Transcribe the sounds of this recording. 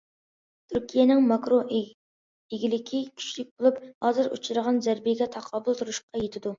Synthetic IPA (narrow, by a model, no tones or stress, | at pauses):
t̪ʰyɾkʲʰijɛnɪŋmɑkɾo | eɡʲilɪkʲʰikʲʰy̥t͡ʃlɪk̚ʲbolˠuphɑːzɨɾṵt͡ʃʰuɾəʁɑnzæɾbijɛɡʲɛt̪ʰɑqʰɑːbʊlˠt̪ʰuɾuʃqɑjet̪ʰɪd̪u